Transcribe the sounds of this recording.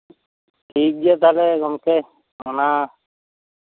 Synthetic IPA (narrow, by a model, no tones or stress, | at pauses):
ʈʰiːk̚d͡ʒiet̪ʰalekɔmke | ɔna